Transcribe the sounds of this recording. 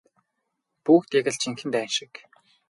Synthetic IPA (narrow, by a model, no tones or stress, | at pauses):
puːxt̪jaɣɘ̆ɮt͡ɕʰiŋxɘ̆nt̪æːnʃɪ̆k